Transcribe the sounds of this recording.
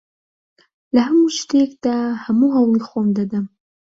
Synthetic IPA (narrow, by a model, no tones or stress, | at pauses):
laɦamuʃt̪ekd̪̥ahamuɦawixomd̪ad̪əm